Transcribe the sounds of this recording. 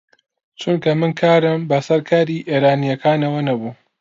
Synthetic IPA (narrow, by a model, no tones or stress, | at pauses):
t͡ʃʊnkɐmɨnkʰaːɾɐmbɐsɐɾkʰaːɾiːʔeːɾaːnijɐkaːnɐwɐnɐbuː